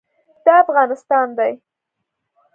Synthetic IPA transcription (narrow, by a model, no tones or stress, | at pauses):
d̪̥ɑafɣɑnɪst̪ɑnd̪aj